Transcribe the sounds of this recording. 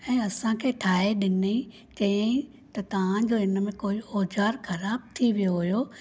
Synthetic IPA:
ɛ̃ːɐsãkʰeːʈʰaːɦeɗɪne | t͡ɕɐjãĩ | t̪ɐt̪ɐʋ̤ãd͡ʑoːɪnmẽkoːioːd͡ʑaːɾxɐɾaːb̚t̪ʰiʋijoɦijo

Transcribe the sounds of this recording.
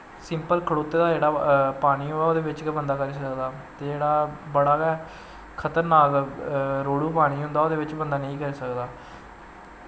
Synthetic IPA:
sɪmpəlkʰəɽoːt̪ːeːd̪aːd͡ʒeːɽaːpaːɽ̃iːɦoːɛːoːd̪eːbɪt͡ʃkɛbənd̪aːkəɾiːsəkd̪aːt̪eːd͡ʒeːɽaːbəɽaːɡɛː | kʰət̪əɾnaːkɾoːɽuːpaːɽ̃iːɦʊ̃nd̪aːoːd̪eːbɪt͡ʃbənd̪aːnəĩːkəɾeːsəkd̪aː

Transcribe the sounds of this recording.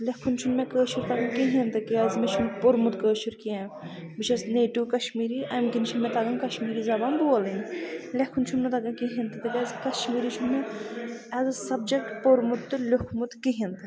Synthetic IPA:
lekʰunt͡ʃʰunmekəːʃuɾt̪ɐɡɐnkiɦint̪ɨkiɐzmet͡ʃʰunpoɾmut̪kəːʃuɾkiaːm | bɨt͡ʃʰɐsneːʈuːkɐʃmiːɾiʔɐmkint͡ʃʰunmɛt̪ɐɡɐnkɐʃmiːɾizɐbɐnb̪uɐlinlekʰːunt͡ʃʰumnɨt̪ɐɡɐnkiɦint̪ɨt̪ɨkɐzkɐʃmiːɾit͡ʃʰunmɛ | ɐzɨsɐb̚d͡ʒɐkʈpoɾmut̪ːɨlʲʊkʰmut̪kiɦint̪ɨ

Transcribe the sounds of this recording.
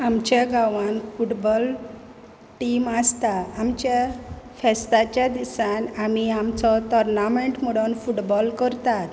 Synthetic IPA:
amt͡ɕaɡaʋãnfuʈbɔl | ʈimast̪aːmt͡ɕafɛst̪at͡ɕjad̪isanamiamt͡sɔt̪ɔɾnameɳʈmuɽɔnfuʈbɔlkəɾt̪at̪

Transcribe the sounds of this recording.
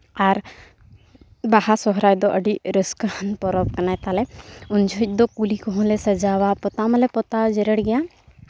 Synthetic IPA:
aɾ | baɦasɔɦɾajd̪ɔʔəɖiɾəskhənpɔɾɔb̚kɐnajt̪alɛʊnd͡ʒʱɔc̚ˀd̪ɔkulikɔɦɔ̃lɛsəd͡ʒawapɔt̪aməlɛpɔt̪ad͡ʒɛɾəɽɡɛja

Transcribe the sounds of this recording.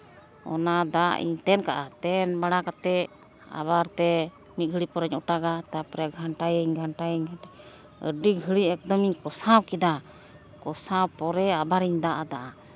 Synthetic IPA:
ɔ̰nad̪aʔḭɲt̪ɛnkaʔat̪ɛnbaɽakat̪ɛ | a̰baɾt̪ɛ | mit̪̚ɡʱəɽipɔɾɛɲɔʈaɡat̪apɾɛɡʱaɳʈajəɲɡʱaɳʈajəɲɡʱaɳʈa | ə̰ɖiɡʱəɽiɛk̚d̪ɔmiɲkɔsawkid̪a | kɔsawpɔɾɛabaɾiɲd̪aʔad̪aʔa

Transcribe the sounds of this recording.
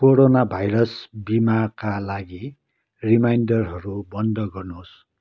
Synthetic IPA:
koɾonabʱajɾʌsbimakalaɡi | rimajnɖʌrɦʌɾubʌnd̪ʱʌɡʌrnos

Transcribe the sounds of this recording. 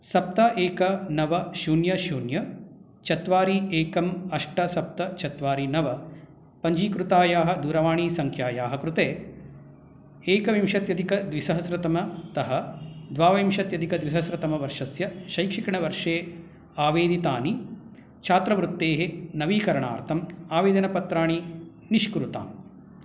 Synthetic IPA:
sɐp̚t̪ɐʔeːkɐnɐʋɐʃuːnjɐʃuːnjɐ | t͡ʃʰɐt̪ʋaːɾieːkɐmɐʂʈɐsɐp̚t̪ɐt͡ʃʰɐt̪ʋaːɾinɐʋɐ | pɐɲd͡ʒiːkɾut̪aːjaːɦɐ̆d̪uːɾɐʋaːɳiːsɐŋkʰjaːjaːɦɐkɾut̪eː | eːkɐʋimʃɐt̪jɐd̪ikɐd̪ʋisɐɦɐsɾɐt̪ɐmɐt̪ɐɦɐd̪ʋaːʋɐimʃɐt̪jɐd̪ʱikɐd̪ʋisɐsɾɐt̪ɐmɐʋɐɾʂɐsjɐʃɐjkʂikɐɳɐʋɐɾʂeː | aːʋeːd̪it̪aːni | t͡ʃʰaːt̪ɾɐʋɾut̪ːeːɦenɐʋiːkɐɾɐɳa̰ːɾt̪ʰɐmaːʋeːd̪ɐnɐpɐt̪ɾaːɳi | niʃkɾut̪a̰ːm

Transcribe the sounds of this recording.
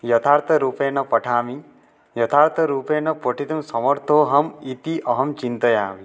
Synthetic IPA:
jɐt̪ʰaːɾt̪ʰɐɾuːpeːnɐpɐʈʰaːmi | jɐt̪ʰaːɾt̪ʰɐɾuːpeːnɐpoʈʰit̪umsɐmɐɾt̪ʰoːɦɐmit̪iʔɐɦɐmt͡ʃint̪ɐja̰ːʋi

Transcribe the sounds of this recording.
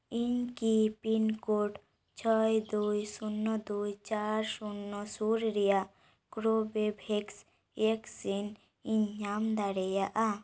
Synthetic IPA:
iɲkipinkoʈ | t͡ʃʰəjd̪ujsunːɔd̪ujt͡ʃaɾsunːɔsuɾɾɛjaʔ | kɾobebʱɛks | eksin | iɲamd̪aɾɛjaʔa

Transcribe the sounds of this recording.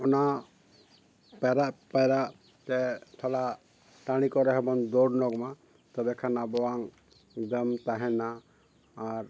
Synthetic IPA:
ɔna | paɾaʔpajɾaʔ | kɛt̪ʰala | ʈaɽ̃ikɔɾɛɦɛbɔnd̪ɔɖnɔɡma | t̪ɔbɛkʰanabɔwaŋ | d̪əmt̪aɦɛnaː | ɾ

